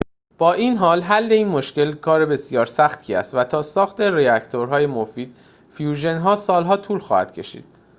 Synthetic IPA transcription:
b̥ɒːʔiːnɦɒːlɦælːe̞iːnmo̞ʃce̞lkʰɒːɾebe̞sijɒːɾsæxt̪ʰiːæ̰st̪væt̪ʰɒːsɒːxt̪ʰe̞reæct̪ʰo̞ɾɦɒːje̞mofiːd̪̥̚ | fijuːʒe̞nɦɒːsɒːlɦɒːt̪ʰuːlxɒ̰ːhæ̰d̪̥̚cʰe̞̰ʃḭːd̪̥̚

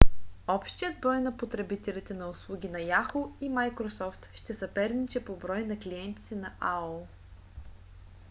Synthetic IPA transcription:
ɔpʃt̪ijəd̪̚bɾɔjnɐpot̪ɾɛbit̪ɛlʲit̪ɛnɐʊslˠuɡʲinɐjaxoimajkɾosɔft̪ʃt̪ɛsɐpɛɾnit͡ʃɛpobɾɔjnɐkliɛnt̪i̥t̪ɛnɐʔaolˠ

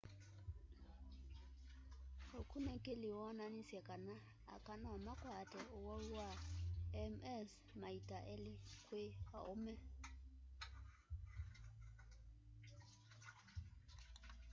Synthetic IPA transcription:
hokʰunɛkʼɪlɪwananisɛkʼana̰ː | kʼanaamakʼwatʼɛʊwauwaɛmɛs | maitʼaʔɛlɪkʼwea̰ʔʊmɛ

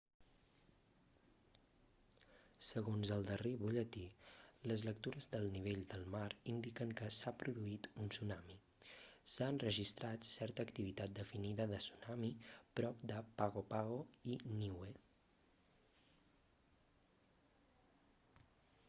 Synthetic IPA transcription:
səɣonzəlˠd̪əreβuʎət̪iləzlək̚t̪uɾəzd̪əlˠniβ̞eʎd̪əlˠmaɾind̪ikəŋkəsapɾuðuit̪unsunami | saənrəʒist̪ɾat̪sɛɾt̪əːkt̪iβit̪at̪̚d̪əfiniðəðəsunamipɾɔp̚d̪əpaɣopaɣoiniwe

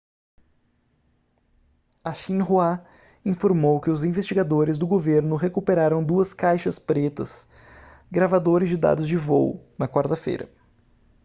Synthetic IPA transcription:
aʃĩnɦua | ĩfoɾmowkɪʊzĩvest͡ʃiɡad̪oɾɪzd̪ʊɡoveɾnʊɦekupeɾaɾɐ̃w̃d̪uɐskajʃɐspɾet̪ɐ̰s | ɡɾavad̪oɾɪzd͡ʒɪd̪a̰d̪ʊzd͡ʒɪvoʊ̰nɐkwaɾt̪ɐfḛjɾɐ̰

